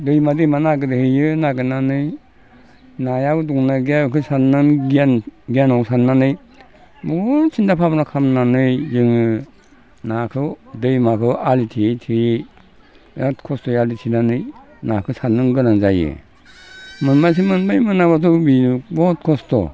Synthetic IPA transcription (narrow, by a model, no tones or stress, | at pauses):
dɯjmadɯmanaɡɯdɯhɯjɯnaɡɯnanɯj | najabɯduŋnaɡjakʰɯsanɯnanɡianɔksannːanɯj | mɔɾt͡ʃʰindapʰabnakʰamnanɯjzɯŋɯ | nakʰɯdɯjmakʰɯalitʰijtʰijej | atkʰɔstɔjalitʰinanɯj | nakʰɯsanːɯŋɡɯnaŋzajɯ̰ | mɯnmas̬imɯnbajmɯnabat̬ʰɔbinubɔt̚kʰɔstɔ̰